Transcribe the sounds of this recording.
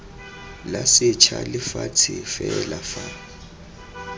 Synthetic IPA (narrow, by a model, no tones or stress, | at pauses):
lasɪt͡ʃʰalɪfatʰɪfɛlafa